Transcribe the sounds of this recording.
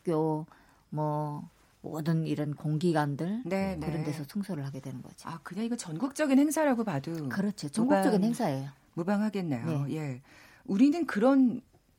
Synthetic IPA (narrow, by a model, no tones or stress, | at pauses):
k͈jo | mʌ | mʌ̰dɯniɾʌnkoŋɡiɡwandɯɭnenkɯɾʌnde̞sʰʌsʰuŋsʰʌɾɯɭhaɡe̞dwe̞nɯnɡʌd͡ʑi̥akɯɲaiɡʌt͡ɕʌnɡuk̚t͡ɕ͈ʌɡinheŋsʰaɾaɡopadukɯɾʌt͡ɕʰot͡ɕʌŋɡukt͡ɕʌɡinheŋsʰae̞jo | mubaŋɦaɡe̞nːajojeje̞ | uɾinɯnkɯɾʌn